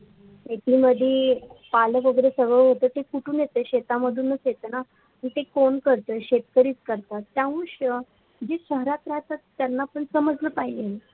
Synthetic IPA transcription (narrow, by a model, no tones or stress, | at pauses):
et̪ʰiməd̪ʱjepaləkʋəɡəɾesəɡəɭɦot̪əːt̪ekuʈʰuːnjet̪əːɕet̪aməd̪ʱuːnːət͡sjet̪əna | məɳt̪ekonkəɾt̪əɕet̪kəɾiːt͡skəɾt̪at̪ːjãʋuɕə | d͡ʑeɕəɦɾat̪ɾaɦt̪at̪ːjanːaːpəɳsəməd͡zləpaɦid͡ʑen